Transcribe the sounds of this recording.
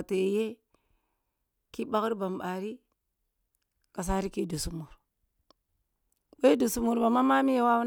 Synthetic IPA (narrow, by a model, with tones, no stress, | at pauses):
a˨te˨je˦ | ki˦ba˦kɾba˨mba˨ɾi˦ | ka˨s̬a˦ɾi˦ki˦du˨su˨mu˨ɾ | we˦du˨su˨mu˨ɾba˨ma˦ma˦mi˦je˦wa˦w